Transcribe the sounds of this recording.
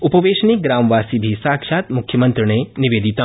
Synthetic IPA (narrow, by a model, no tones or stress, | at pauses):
upəʋeʃniɡɾamʋaːsibʱisaːkʃat̪mʊkʰjəmə̃nt̪ɾəneniʋed̪it̪a